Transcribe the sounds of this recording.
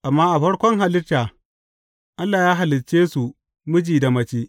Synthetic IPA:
ʔa˨mːaː˦ʔa˨ɸɐ˦ɽkʷɔ˦ŋɦa˨lɪ˦taː˨ | ʔa˦lːaː˨jaː˦ɦa˨lɪ˨t͡ʃeː˦su˨ | mʊ˦d͡ʒiː˨da˨mɐ˦t͡ʃiː˦

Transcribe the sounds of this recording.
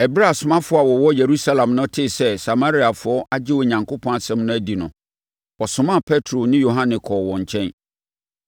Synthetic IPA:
ɛ˨bɪ˦ɾa˦˨sʊ˨mã˦fʊ˦a˨wɔ˨wɔ˦je˨ɾu˦sa˦lã˨mnʊ̃˦tʰɪ˦sɛ˦sa˨ma˦ɾi˦a˨fʊ˨˦ɔ˦ʔa˦d͡ʑɪ˦wɔ˨ɲã˨ŋkʰo˦pʰɔ̃˦a˨sɛ̃˦mnʊ̃˦æ˦˨di˨nʊ̃˨ | ɔ˨sʊ̃˨mã˦˨pʰɛ˦tʰɾo˨nɪ̃˦jo˨ɦã˦nɪ̃˨kʰɔ˨wɔ̃˨ɲ̩˨t͡ɕʰɛ̃˦n

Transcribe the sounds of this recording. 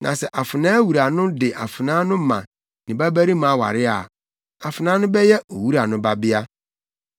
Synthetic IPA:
nʔã̰˨sɛ˨ʔa˨fɪ˨nãː˦wu˨ɾa˨nʊ̃˦dɪ˨ʔa˨fɪ˨nãː˦nʊ̃˦mã̰˨ | nɪ̃˨bæ˦bæ˦ɾi˦mã˨˦˨wa̰˨ɾɪ˦a˨ | a˨fɪ˨nãː˨˦nʊ̃˦bɛ˦jɛ˦o˨wu˦ɾa˨nʊ̃˦ba˦bɪ˦a˦

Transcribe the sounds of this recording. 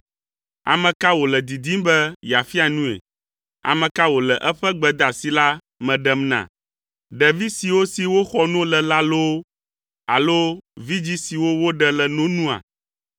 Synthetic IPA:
a̰˨mɛ̃˨ka˦wo˨lɛ˨d̪i˨d̪i˦mbɛ˦ja˨fi˦a˨nũ˦ḛ˨ | a̰˨mɛ̃˨ka˦wo˨lɛ˨ʔɛ˦ɸɛ˦ɡ͡bɛ˨d̪a˨si˨la˦ | mɛ̃˨ɖɛ˦mnã̰˨ | ɖɛ˨vi˦si˨wo˦si˨wo˦xɔ˦nɔ̃˦lɛ˨la˦lo˦ | a̰˨lo˦vi˦d͡ʑi˦si˨wo˦wo˦ɖɛ˨lɛ˨nõ˦nũ˦a̰˨

